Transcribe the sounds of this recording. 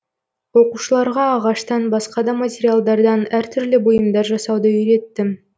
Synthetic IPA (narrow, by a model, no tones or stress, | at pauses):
wo̞quʃəlˠɑɾʁɑːʁɑʃt̪ɑnbɑsqɑd̪ɑmatʲeɾʲijalˠd̪ɑɾd̪ɑnæɾt̪ʰʏɾlɪbojəmd̪ɑɾʒɑsɑwd̪ɑʏɾe̞t̪ːɪ